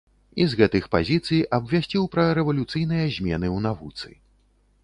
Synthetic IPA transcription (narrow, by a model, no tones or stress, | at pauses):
izɣɛt̪ɨxpa̰zʲit̪sɨjʔɐbvʲasʲt͡sʲiwpɾɐɾɛvɐlʲut̪sɨjn̪ɨjɐzʲmʲɛn̪ɨwnavut̪sɨ̰